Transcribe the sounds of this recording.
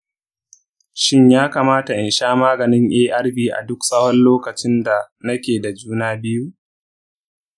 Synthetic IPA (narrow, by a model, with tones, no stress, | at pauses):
ʃɪ˦ɲjaː˦kaː˨maː˦ta˨ʔɪ˨nʃaː˦maː˦ɡɐ˨nɪ˦ŋʔeː˦ʔa˦rbiː˦ʔa̰˨dʊ˦ksʼɐ˦wɔ˦nloː˦kɐ˨t͡ʃɪ˦nda˨ | nɐ˦kʲeː˨da˨d͡ʒuː˦naː˦bɪ˦ju˦